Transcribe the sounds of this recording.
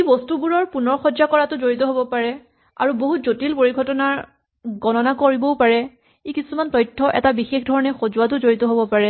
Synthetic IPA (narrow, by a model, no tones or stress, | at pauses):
ibɔstubuɹɔɹpunɔɹxɔd͡ʒakɔɹatʊzoɹitɔɦobɔpaɹɛ | a̰ɹuboɦutzotilpoɹiɡʱɔtɔnaɹ | ɡɔnɔnakoɹibɔpaɹɛ | ikisumantɔjtʰːɔʔɛ̰tabixexdʱɔɹɔnɛxozuwat̬ʊzoɹitɔɦobɔpaɹɛ